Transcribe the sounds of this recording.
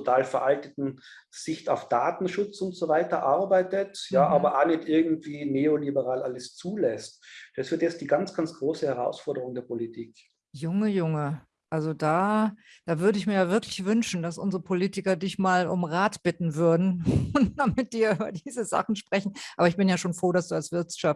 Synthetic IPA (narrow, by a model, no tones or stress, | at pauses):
otʰaːlfɛɐʔaltətn̩ | z̥ɪçtaʊfd̥aːtn̩ʃʊt͡sʊntz̥ovaɪtɐʔaɐbaɪtətjaːʔaːbɐʔaːnɪçtʔɪɐɡŋ̩tv̥iːneːolibəʁaːlʔaləst͡suːlɛstd̥asfyɐdɛsd̥iːɡant͡sɡ̥ant͡sɡ̥ʁoːsəhɛʁa̰ʊsfɔɐdəʁʊŋdeːɐpolitʰiːk | jʊŋəjʊŋə | ʔalzodaː | d̥aːvʏɐɾəɪçmiːɐjaːvɪɐklɪçv̥ʏnʃn̩dasʔʊ̰nzəʁəpʰoliːtɪkɐdɪçmaːlʊ̰mʁaːtb̥ɪtn̩vʏɐdn̩ʊntd̥amɪt̚d̥iːɐyːbɐ̰diːzəza̰χn̩ʃpʁ̥ɛçn̩ʔaːbɐɪçb̥ɪnjaːʃoːnfʁ̥oːɾasd̥uːalsv̥ɪɐtʃaf